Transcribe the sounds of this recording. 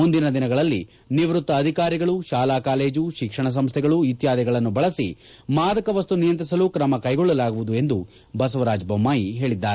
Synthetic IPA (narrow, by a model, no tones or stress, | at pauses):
und̪inɐd̪inɐɡɐɭɐlːi | niʋɾut̪ːɐːd̪ʱikaːɾiɡɐɭuʃaːlaːkaːle̞ːd͡ʒuʃikʂɐɳɐs̬ɐmst̪ʰɛɡɐɭuit̪jaːd̪ɛɡɐɭɐnːubɐɭɐsḭ | maːd̪ɐkɐʋɐst̪unijɐnt̪ɾisɐlukɾɐmɐkɐjɡɔɭːɐlaːɡuʋud̪ue̞nd̪u | bɐsɐʋɐɾaːd͡ʒbɐmːaːjiɦe̞ːɭid̪ːaːɾe